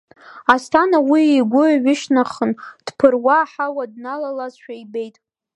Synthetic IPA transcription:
astʰanawiiɡʷʊaɥɪʃnaχənd̥pʰɨrwaːħawadnalalazʃʷᶣaibe̞jtʼ

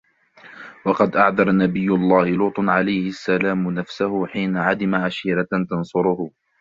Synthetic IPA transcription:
wɑqɑd̪ʔaʕðɑɾˤnabɪjːʊlˤːɑːhɪluːt̪ˤnʕalajhɪʔasːalaːmnafsahʊħiːnaʕad̪ɪmaʕaʃiːɾat̪ɑnsˤʊɾʊhʊ

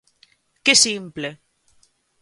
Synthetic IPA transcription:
kesimple

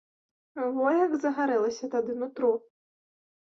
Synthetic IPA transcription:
vɔjɐɡzɐɣaɾɛlˠɐsʲɐt̪ad̪ɨnut̪ɾu

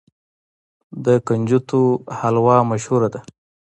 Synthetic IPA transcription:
d̪əkand͡ʒut̪ohalwɑmaʃhuɾad̪a

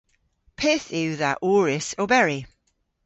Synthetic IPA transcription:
pʰɛːˑθɪwðaʔuːɹɪsobɛɹi

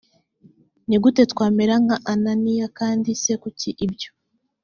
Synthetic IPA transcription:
niɡute̞tkwaːmeɾaŋhaʔananijakaːndise̞kuciʔibjo

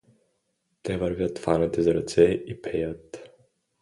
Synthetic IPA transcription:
t̪ɛvɐɾvʲjat̪fanɛt̪ɛzɐɾɐt̪sɛipʰɛjət̪

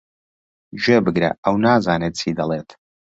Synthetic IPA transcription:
ʒɛbɨɡɾɐ̰awnaːzaːnet̪̚t͡sʰiːd̪ɐleːt̪ʰ

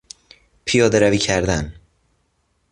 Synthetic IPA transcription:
pʰijɒːd̪eɾæviːcʰæɾd̪æn

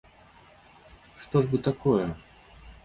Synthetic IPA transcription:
ʂt̪ɔʐbɨt̪akɔjɛ

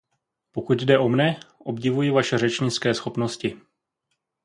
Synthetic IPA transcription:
po̞kut̪dɛʔo̞mnɛʔo̞bɟɪvujɪvaʃɛr̝ɛt͡ʃɲɪt͡skɛːsxo̞pno̞scɪ

